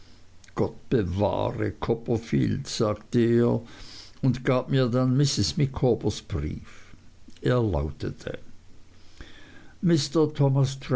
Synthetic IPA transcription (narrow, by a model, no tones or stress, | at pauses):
ɡ̥ɔt̚b̥əva̰ːʁə̰kʰɔpəɐfḭːltz̥aːktəeːɐʊntɡ̥aːb̚miːɐdanmɪsɪsmɪkʰɔbəsb̥ʁḭːfʔeːɐla̰ʊtʰətʰə̰ | mɪstətʰɔmast